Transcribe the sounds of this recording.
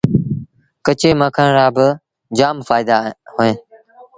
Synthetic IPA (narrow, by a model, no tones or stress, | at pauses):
kət͡ʃeːmãːkʰaːɾaːbɪ | d͡ʒaːmfaːɪd̪aːɦoːẽː